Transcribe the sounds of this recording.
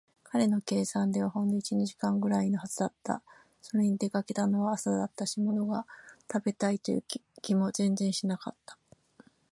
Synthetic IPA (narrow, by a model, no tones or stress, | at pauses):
kʰaɾe̞no̞ke̞ːsãnd̪e̞βahõ̞nd̪o̞it͡ɕiɲiʑi̥kãŋɡɯ̟ɾaino̞hazɨd̪at̪ːa̰ | so̞ɾe̞ɲ̟id̪e̞kake̞t̪ano̞βaːsad̪at̪ːaɕimo̞no̞ɡat̪abe̞t̪ait̪ojɯ̟̰kʲimo̞zẽ̞nzẽ̞ɰ̃ɕinaka̰t̪ːḁ